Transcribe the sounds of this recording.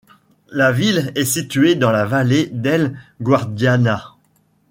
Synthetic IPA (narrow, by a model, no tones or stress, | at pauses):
lavilɛsit̪ɥed̪ɑ̃lavaled̪ɛlɡwaʁd̪jana